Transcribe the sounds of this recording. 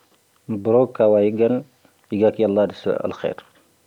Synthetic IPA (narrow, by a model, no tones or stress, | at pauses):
buɾokːawaːjiɡɐn | jiɡakiɐlːɑːdisɐ̰lxɛ̰ːɾ